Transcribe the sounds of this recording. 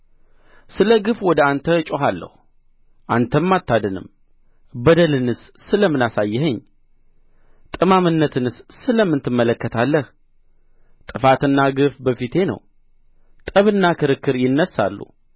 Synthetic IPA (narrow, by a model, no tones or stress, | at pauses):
sɨləɡɨfwɔd̪əant̪ʰət͡ʃʼoɦalːə̰hu | ʔa̰nt̪ʰəmːat̪ːad̪ənɨ̰m | bəd̪əlɨnɨs | sɨləmːɨnasajːɛɦəɲː | t̪ʼɨmamɨnːət̪ʰɨnɨssɨləmːɨnt̪ʰɨmːələkːət̪ʰalːəh | t̪ʼɨfat̪ɨnːaɡɨfbəfit̪ʰe̞nə̰w | t̪ʼəβɨnːakʰɨɾɨkːɨɾjɪnːəsːa̰lːṵ